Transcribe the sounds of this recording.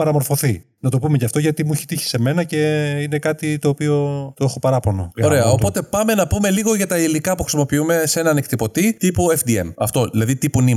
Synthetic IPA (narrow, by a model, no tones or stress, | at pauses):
pɐɾɐmo̞ɾfo̞θi | nɐt̪o̞pume̞cɐft̪o̞ʝɐt̪imuiçe̥t̪içi̥se̞me̞nɐce̞inekɐt̪it̪o̞ːpio̞t̪oe̞xo̞pɐɾɐpo̞no̰oɾeɐopo̞t̪e̞pɐme̞nɐpume̞liɣo̞ʝɐt̪ɐilikɐpuxɾisimopiume̞se̞nɐnekt̪ipo̞t̪it̪ipuefd̪ie̞̰mɐ̰ft̪o̞ðilɐðit̪ipuni